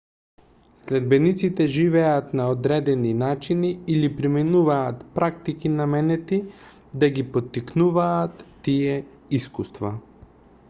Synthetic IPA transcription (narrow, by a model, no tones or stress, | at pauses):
slɛd̪bɛnit̪sit̪ɛʒivɛat̪naod̪ɾɛd̪ɛninat͡ʃiniːlipɾimɛnuvaːt̪pɾak̚t̪ikinamɛnɛt̪i | d̪aɡipot̪ːiknuvaːt̪ːijɛ | iskust̪va